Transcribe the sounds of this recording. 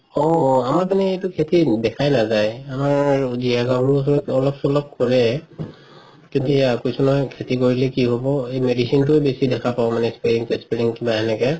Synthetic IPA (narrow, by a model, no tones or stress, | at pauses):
ɔamaɹpanɛetʊkʰetidɛkʰajnazajamaɹziɦaɡabɹus̬ɔɔkɔlɔpsɔlɔp̚kɔɹɛ | zetiakojsunɔjkʰetikoɹilɛkiɦobɔejmedisint̬ʊɛbesidɛkʰapaʊ̃manɛspɛɹiŋsɛspeɹiŋkibaɦɛnɛkɛ